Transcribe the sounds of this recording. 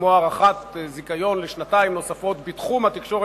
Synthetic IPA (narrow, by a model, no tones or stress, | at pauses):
moaʁaχat̪zikajo̞nleʃnataimno̞safo̞t̪bit̪χumhat̪ikʃo̞ʁe